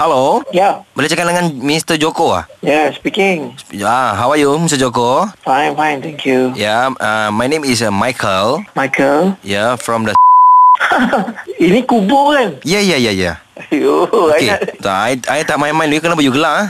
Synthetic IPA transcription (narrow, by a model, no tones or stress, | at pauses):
halojabəlat͡ʃəkandaŋãnmist̪əd͡ʒokoa̰hjaspikɪ̃ŋsaɦawajumist̪əd͡ʒokofãɪ̃nfãɪnt̪ʰɛ̃ŋkʰjujaamajnẽmis̬majkʰəlmajkʰəljafɹɔ̃mdə | inikubokanjajajaja̰ | juaketsoajajt̪apmajmãj̃nlukənabəjuɡəlaa